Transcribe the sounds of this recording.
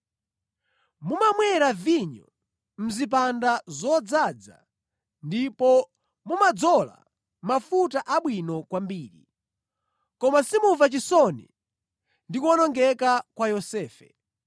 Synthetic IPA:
mumamwɛɾaviɲɔ̰ | m̩zip̬andazɔd͡zad͡za̰ | ndipɔ | mumad͡zɔla̰ | mafutaʔaɓwinɔkwambiːɾḭ | kɔmasimuvat͡ʃisɔnḭ | ndikwɔnɔŋɡɛkakwajɔsɛːfɛ̰

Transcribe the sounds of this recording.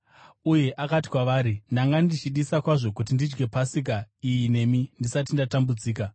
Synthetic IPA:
uje̞ʔakati̥kwaʋaːɾindaŋɡandit͡ʃiɗisakwaʐo̞kut̬indid͡ʒɡe̞pasik̬aijine̞mindisat̬indatambud͡ziːka

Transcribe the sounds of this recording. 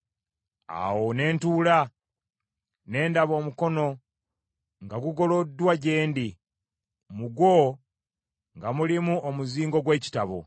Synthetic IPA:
a̰wone̞ːntuːla | ne̞ːndaβo̞ːmuko̞no̞ | ŋɡaɡuɡo̞lodːwaɟe̞ːndi | muɡwo | ŋɡamulimuomuziːŋɡo̞ɡwe̞ːci̥taβo̰

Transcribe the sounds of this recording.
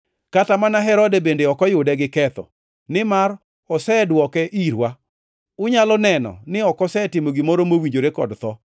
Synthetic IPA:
katamanaɦɛɾɔdebendeɔkɔjʊdɛɡɪkɛt̪ɔ̰ | nɪmaɾ | ɔsɛdwɔkɛʔiɾwa | ʊɲalɔnɛnɔ̰nɪɔkɔsɛtɪmoɡimoɾomowiɲd͡ʒoɾekɔ̰dt̪ɔ

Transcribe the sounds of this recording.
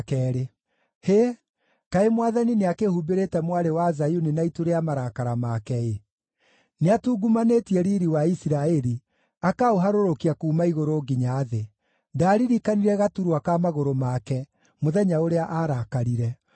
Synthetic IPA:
kɛːɾe | he | kaemwaðanineakehubeɾetɛmwaɾewazajuninaituɾeamaɾakaɾamakɛe | neatuːɡumanetiɛɾiɾiwaisiɾaɛɾi | akaoɦaɾoɾokiakuːmaiɣoɾoːɡiɲaːðe | daːɾiɾikaniɾɛɣatuɾwakamaɣoɾomakɛ | moðɛɲaoɾeaʔaːɾakaɾiɾɛ

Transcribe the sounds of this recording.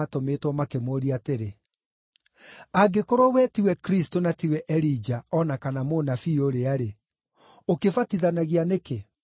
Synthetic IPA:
atometwɔmakemoːɾiateɾe | aɡekoɾɔwɛtiwɛkɾistonatiwɛʔɛɾid͡ʒaɔnakanamonafioɾeaɾe | okefatiðanaɣianeke

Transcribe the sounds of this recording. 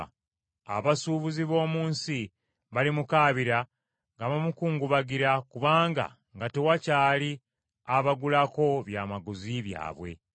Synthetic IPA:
a̰βasuːβuziβo̞ːmuːnsi | βalimukaːβiɾa | ŋɡaβamukuːŋɡuβaɡiɾakuβaːŋɡa̰ | ŋɡate̞wacaːli | aβaɡulako̞βjaːmaɡuziβja̰ːβwe̞̰

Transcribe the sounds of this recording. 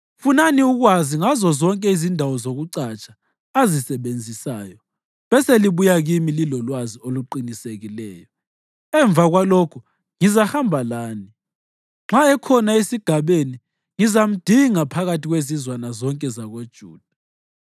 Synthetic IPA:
funaniuɣwaziŋazɔzɔŋkʼɛizindʱawɔzoɣuǀat͡ʃʰʼḁː | zisɛβend͡zʱisaːjɔ | βɛseliβujaɣimililɔlwazioluǃiniseɣilɛ̰ːjɔ | ɛɱb̪vʱaɣwalɔkʰu | ŋizahambʱalaːni | ŋ͡ǁaɛkʰɔnaesiɡ̥ʱaβeni | ŋizam̩d̥ʱiŋapʰaɣatʰʼiɣwezizwanazɔŋkʼɛzaɣod̥ʒ̥ʱṵːd̥ʱa

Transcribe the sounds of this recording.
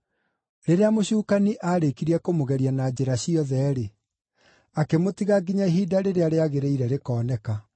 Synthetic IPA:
ɾeɾeamoɕuːkaniʔaːɾekiɾiɛkomoɣɛɾianad͡ʑeɾaɕiɔðɛːɾe | akemotiɣaɡiɲaeɦiːdaɾeɾeaɾeaɣeɾeiɾɛɾekɔːnɛka

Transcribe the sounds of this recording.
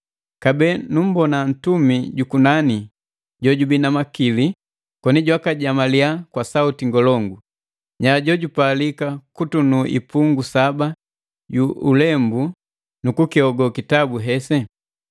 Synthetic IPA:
kabɛnum̩bɔnan̩tumiɟukunani | ɟɔɟubinamakili | kɔniɟwakaɟamaliakwasautiŋɡɔlɔŋɡu | ɲaɟɔɟupalikakutunuʔḭpuŋɡusaba | ɟuulɛmbu | nukukiɔɡɔkitabuɦɛsɛ

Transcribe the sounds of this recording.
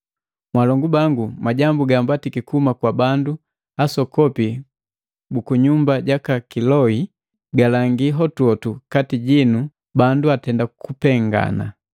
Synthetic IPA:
mwalɔŋɡubaŋɡumaɟambuɡambatikikuumakwabandu | asɔkɔpi | bukuɲumbaɟakakilɔi | ɡalaŋɡiɦɔtuɔtukatiɟinu | banduatɛndakupɛŋɡa̰na̰

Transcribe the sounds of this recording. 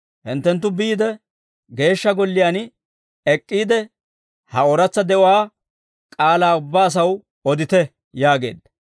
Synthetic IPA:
hɪnt̪ːɛnt̪̬ːʊbiːd̪ɛ | ɡe̞ːʃːɐɡɔlːɪjaːn | ɛkʼːiːd̪ɛ | hɐɔɾɐt͡sːɐd̪ɛʔɔwaː | kʼaːlaːʊbːaːɐs̬ɐw | ɔd̪ɪt̪ɛ | jaːɡe̞̰ːd̪ːɐ

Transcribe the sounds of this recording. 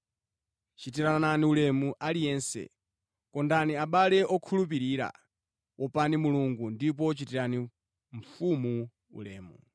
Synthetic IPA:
t͡ʃitiɾananiulɛmuʔalijɛnsɛ̰ | kɔndaniaɓalɛʔɔkʰulupiɾiːɾa̰ | wɔpanimuluŋɡundipɔt͡ʃitiɾani | ɱ̩fumu | ṵlɛ̰ːmṵ

